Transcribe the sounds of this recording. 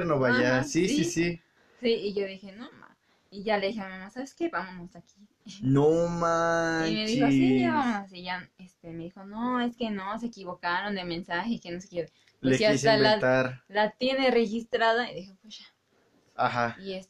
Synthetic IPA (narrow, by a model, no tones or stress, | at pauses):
ɾnoβaasisisi | siːʝoðixenoma̰s | iʝaleðixememosaβeskeβamonosaki | nomaimeðixoijaβamosiʝaest̪emeðixonoeskenoseːkiβokaɾond̪emensaxekenose̥keβe | leekeaiseabeat̪aɾlat̪jenerexist̪ɾaðaiðixopwesʃḁ | ahaies